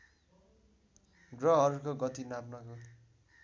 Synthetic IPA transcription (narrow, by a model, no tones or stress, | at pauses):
ɡrʌɦʌɾukoɡʌt̪inapnʌko